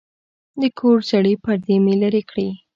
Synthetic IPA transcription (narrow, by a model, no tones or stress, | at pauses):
d̪əkʰoɽd͡ʒaɽipaɾd̪emelaɾekɽi